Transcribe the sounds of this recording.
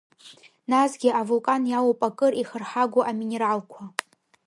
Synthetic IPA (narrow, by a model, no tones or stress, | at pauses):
nazɡʲɪʔavulkʼanjawopʼakʼɨriχərħaɡʷʊʔamine̞ɾalkʷʰa